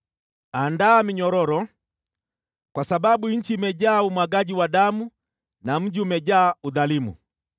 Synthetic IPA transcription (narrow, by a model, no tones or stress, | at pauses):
andaːmiɲɔɾɔɾɔ | kwasababuɲ̩t͡ʃimɛɟaːumwaɡaɟiwadamu | nam̩ɟiumɛɟaːuðalimṵ